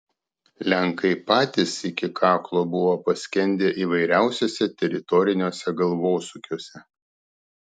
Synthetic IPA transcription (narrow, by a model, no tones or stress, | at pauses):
lʲæŋkɐɪpɑːt̪ʲɪsɪkʲɪkʰɑːklˠoːbʊʋoːpɐsʲkʲɛnʲd̪ʲeːʔiːʋɐɪɾʲæˑʊsʲoːsʲɛt̪ʲɛɾʲɪt̪ɔɾʲɪnʲoːsʲɛɡɐlˠʋoːsʊkʲoːsʲɛ